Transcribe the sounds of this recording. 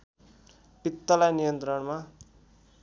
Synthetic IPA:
pit̪ːʌlajnijʌnt̪rʌɳma

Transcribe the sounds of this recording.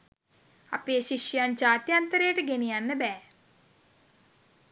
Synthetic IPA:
a̰peːʃiʂjəjand͡ʒaːt̪jant̪əɾejʈəɡenijanːəbɛː

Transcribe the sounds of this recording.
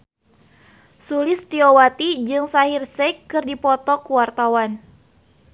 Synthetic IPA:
sulɪst̪iowat̪id͡ʒɨŋsaɦirsɛkːɨrdipɔt̪ɔkuwart̪awan

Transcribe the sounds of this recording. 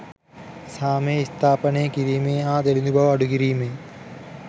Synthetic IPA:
saːmeːist̪ʰaːpɐneːkiɾiːmeːaːd̪elinubʱɐʋɐɽukiɾiːmeː

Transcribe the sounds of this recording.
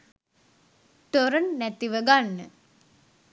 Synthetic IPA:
t̪oɾɐnːæt̪iʋəɡanːə

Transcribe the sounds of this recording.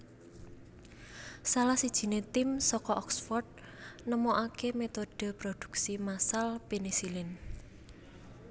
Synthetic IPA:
salahsid̥ʒ̥i̤net̪ɪmsɔkɔʔɔksfɔrt̪̚ | nəmoʔakemet̪od̥əpɾod̪̥ṳ̥k̚simasalpinisilɪn

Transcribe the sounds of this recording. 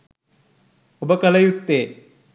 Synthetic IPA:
obəkɐlɐjut̪ːeː

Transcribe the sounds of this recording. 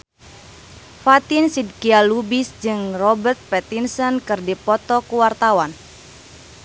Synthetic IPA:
fat̪ɪnsid̚kialubisd͡ʒɨŋrɔbərt̪̚pɛt̪insɔnkɨrdipɔt̪ɔkuwart̪awan

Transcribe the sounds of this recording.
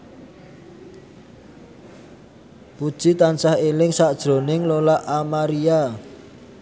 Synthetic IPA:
pud̥ʒ̥it̪ant͡ʃahelɪŋsaʔd̥ʒ̥ɾo̤nɪŋlolaʔamaɾia

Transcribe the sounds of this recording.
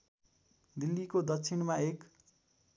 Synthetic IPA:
d̪ilːikod̪ʌkt͡sʰinmaek

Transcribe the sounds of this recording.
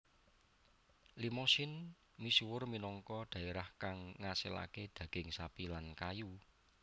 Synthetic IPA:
limosɪn | misuwʊrminɔŋkɔd̪̥a̤eɾahkaŋːasɪla̰ked̪̥ä̤ɡ̥ɪ̤ŋsapilankaju

